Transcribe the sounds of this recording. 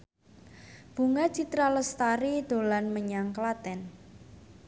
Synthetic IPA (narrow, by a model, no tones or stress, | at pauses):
b̥ṳŋat͡ʃit̪ɾaləst̪aɾid̪̥o̤lanməɲaŋklat̪ɛn